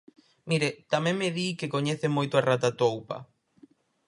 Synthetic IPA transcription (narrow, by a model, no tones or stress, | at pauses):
miɾet̪amẽŋmɪðikekoɲeθemojt̪ʊarat̪at̪owpɐ̰